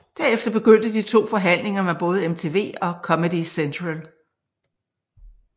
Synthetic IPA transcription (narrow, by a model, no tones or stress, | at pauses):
d̥æɐefd̥ɐb̥e̝ɡ̥øn̰d̥əd̥it͡sʰo̝̰ːfɒ̽ɦæn̰le̝ŋɐmeb̥ɔ̽ːð̞ˠəemt͡sʰe̝ːʋe̝̰ːɒ̽kʰɒ̽mədisent͡sʰʁæl